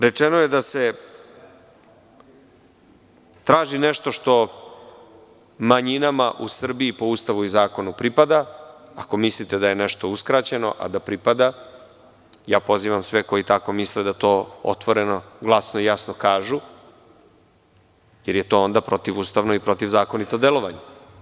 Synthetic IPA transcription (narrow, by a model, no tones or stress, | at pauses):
ɾe̞t͡ʂenojed̪ase̞ | t̪ɾaːʒineʃt̪o̞ʂt̪o̞ | maɲinamaʔusr̩biːpo̞ust̪aʋuizaːko̞nupɾipad̪aako̞mislit̪ed̪aje̞nɛʃt̪o̞uskɾat͡ɕe̞no̞̰ʔa̰d̪apɾipad̪a | jaːpo̞ziːʋamsʋeko̞jit̪ako̞misled̪at̪o̞ːo̰t̪ʋo̞ɾe̞no̞ɡlˠasnoijasno̞kaːʒu | jeɾjet̪o̞ːond̪apɾo̞t̪iʋuːst̪aʋnoipɾo̞t̪iʋzaːko̞nit̪o̞d̪elˠo̞ʋaɲe